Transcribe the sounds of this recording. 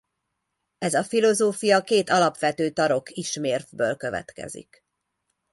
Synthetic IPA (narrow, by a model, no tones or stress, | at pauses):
ɛzɒfilo̞zoːfijɒkeːt̪ɒlɒpʋɛt̪øːt̪ɒɾo̞kʰiʃmeːrvbøːlkø̞vɛ̰t̪kɛ̰zḭk